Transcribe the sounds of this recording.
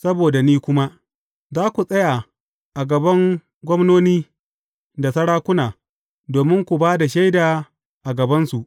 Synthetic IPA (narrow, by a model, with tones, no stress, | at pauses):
sɐ˦boː˨da˨niː˦kʷʊ˦ma˦ʔ | zaː˦kʷu˨sʼɐ˦ja˨ | ʔa˨ɡɐ˨bɐ˦ŋ | ɡʷɔ˦mnoː˦niː˦ | da˨sɐ˦ɽaː˦kʷʊ˦naː˨ | doː˨mɪ˦ŋkʷu˨baː˦da˨ʃa˦jdaː˨ | ʔa˨ɡɐ˨bɐ˦nsu˨ʔ